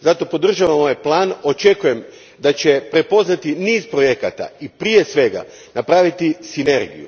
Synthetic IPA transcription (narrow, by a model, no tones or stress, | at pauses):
zat̪o̞po̞d̪r̩ʒaʋamo̞jeplˠaːno̞t͡ʃe̞kuje̞m | d̪at͡ɕe̞pɾe̞po̞znat̪iniːzpɾo̞je̞ka̰t̪a̰ipɾije̞sʋe̞ɡa̰ | napɾaːʋit̪isine̞ɾɡḭjṵ